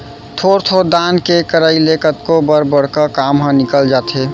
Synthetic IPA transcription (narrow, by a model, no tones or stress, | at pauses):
t̪ʰoɾt̪ʰod̪ankekəɾəilekət̪kobəɾbəɽ̤kəkamɦə̃nɪkəld͡ʒaːt̪ɦeː